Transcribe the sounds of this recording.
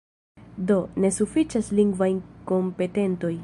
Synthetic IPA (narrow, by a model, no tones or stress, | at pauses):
do̞ne̞sufit͡ʃasliŋɡvajnko̞mpe̞te̞nto̞j